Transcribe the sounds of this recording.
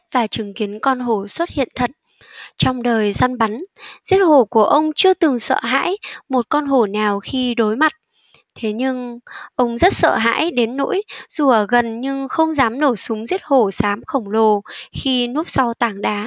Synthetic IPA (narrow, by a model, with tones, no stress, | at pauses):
vaː˨˩t͡ɕɨ˨˩˦ŋki˨˦ənkɔ˧nɦo˧˩swə˦˥t̚hḭ˧˨ənt̪ʰə˨t̚ | t͡ɕɔ˧wŋ͡mɗəː˨˩jza˧nɓa˨˦nzi˦˥ət̚ho˧˩ku˧˩əʔə˧wŋ͡mt͡ɕɨ˧ət̪ɨ˨˩ŋsə̰ː˧˨ɦa̰ː˧˥jmo˨˩t̚kɔ˧nɦo˧˩naː˨˩wxi˧ɗo˨˦jma˨˩t̚ | t̪ʰe˨˦ɲɨ˧ŋʔə˧wŋ͡mzə˦˥t̚sə̰ː˧˨ɦa̰ː˧˥jɗe˨˦nːo̰˧˥jz̥u˧˩əɣə˨˩nɲɨ˧ŋxə˧wŋ͡mzaː˨˦mno˧˩sʊ˨˦ŋ͡mzi˦˥ət̚ho˧˩saː˨˦mxə˧˩wŋ͡mlo˧˩xi˧nu˦˥p̚sa˧wt̪aː˧˩ŋɗaː˨˦